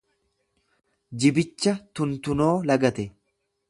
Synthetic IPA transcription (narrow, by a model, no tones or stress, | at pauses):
d͡ʒɪbɪt͡ʃːɐt̪ʊnt̪ʊno̞ːlɐɡɐt̪ɛ